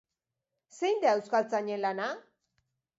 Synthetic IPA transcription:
se̞jnd̪eaewskalt͡saɲe̞nlana

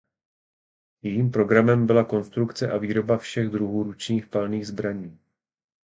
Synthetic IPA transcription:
jɛjiːmpɾo̞ɡɾamɛmbɪlako̞nst̪ɾukt͡sɛʔaviːɾo̞bafʃɛɣd̪ɾuɦuːɾut͡ʃɲiːxpalniːɣzbɾaɲiː

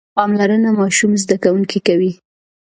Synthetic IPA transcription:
pɑmlaɾənamɑʃumzd̪akawuŋkikawi

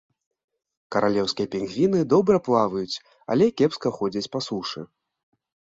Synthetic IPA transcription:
kɐɾalʲɛwskʲijɐpʲɛnɣʲvʲinɨd̪ɔbɾɐplˠavɐjut͡sʲ | a̰lʲɛkʲɛpskɐxɔd͡zʲɐt͡sʲpasuʂɨ̰

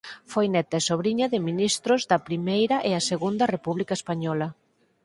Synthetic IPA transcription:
fojnɛt̪aesoβɾiɲɐðɪminist̪ɾʊzðɐpɾimejɾɐʔɪɐseɣund̪ɐrepuβlikaespaɲɔlɐ

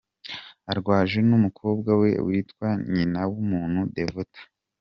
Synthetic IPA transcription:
aɾɡwaːʒenumukʰo̞ːb̚ɡawe̞̰wiːtkwaɲinawumuːn̥hudevutḁ

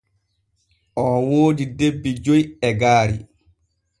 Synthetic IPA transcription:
ʔɔwoːdidebːid͡ʒojɛɡaːɾi

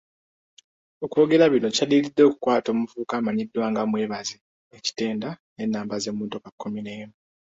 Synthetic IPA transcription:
okwo̞ːɡe̞laβino̞calilidːo̞ku̥kwaːto̞ːmuvuːkaːmaɲidːwaːŋɡamwe̞ːβaze | eci̥te̞ːndane̞nːaːmbazemuːnto̞kakːomineːmo

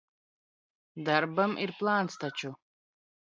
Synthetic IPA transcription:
d̪arbɐmʔirpʼlaːnt͡st̪ʰat͡ʃʰu

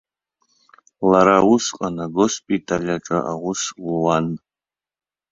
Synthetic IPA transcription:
laɾawusqʼanaɡospʼitʼalʲaʈ͡ʂʼa̰ʔaʁʊsluwan

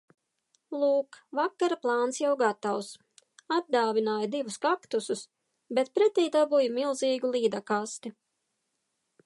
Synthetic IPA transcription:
lˠuːkvakːaɾaplˠɑːnsjawɡat̪aws | ad̪̚d̪aːvʲinaːjad̪ivuskakt̪usus | bet̪̚pɾɛt̪ʲɛjd̪abujmilˠziːɡulˠiːd̪akast̪i

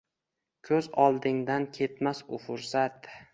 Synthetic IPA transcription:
kʲʰɵzɒlˠd̪ɪŋd̪ankʲʰe̞t̪masʊfʊɾsat̪

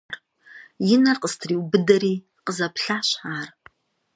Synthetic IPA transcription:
ar | jɪnɐrqəstʰriːwbɨdɐɾiː | qəzɐpɬaːɕħaːr

